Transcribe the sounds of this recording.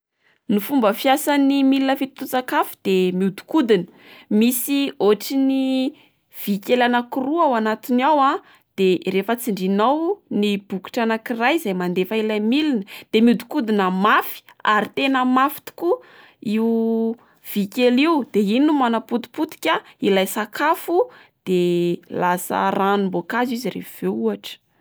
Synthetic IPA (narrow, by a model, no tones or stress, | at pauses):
nifumbəfjasanimilinəfit̪t̪ut͡sakafi̥d̪̥emiud̪u̥kud̪inə̥ | misioʈ͡ʂini | v̥ikʲelanakuruawanat̪inawa | d̪̥erefət͡siɳɖ͡ʐinawnib̥uku̥ʈ͡ʂanakirajzajmand̪efaelamilinəd̪̥emiud̪i̥kud̪inəmafi̥aɾit̪enəmafi̥t̪i̥ku | i | v̥ikʲeliwd̪̥eininumanaput̪u̥put̪i̥kʲailajsakʰafud̪̥elasə̰ranumbokazizirḛfveuaʈ͡ʂə̥